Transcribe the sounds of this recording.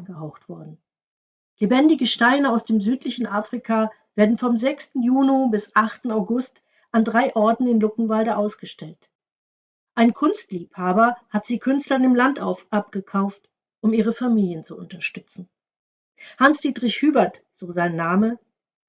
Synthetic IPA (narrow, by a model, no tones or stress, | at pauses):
ɡəɦaʊxtv̥ɔɐdn̩ | lebɛndɪɡəʃtaɪnəaʊsd̥eːmzyːtlɪçn̩ʔaːfʁ̥ikʰa | v̥eːɐdn̩fɔmzɛkstn̩juːnobɪsʔaχtn̩aʊɡʊst | ʔandʁaɪʔɔɐtn̩ɪnlʊkŋ̩valdəʔaʊsɡ̥əʃtɛlt | ʔaɪnkʰʊnstliːphaːbɐhatz̥iːkʰʏnstlɐnɪmlantʔapɡ̥əkʰaʊft | ʔʊmiːʁ̞əfamiːljənt͡suʊntɐʃtʏt͡sn̩ | hansd̥iːtʁ̥ɪçhyːbɐt | z̥oːzaɪnːaːmə